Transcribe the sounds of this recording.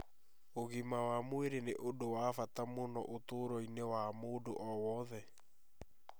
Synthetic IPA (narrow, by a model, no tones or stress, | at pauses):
oɣimawamweɾeneʔodowafatamonɔ̰ʔotoːɾɔinewamoːdoʔɔwɔðɛ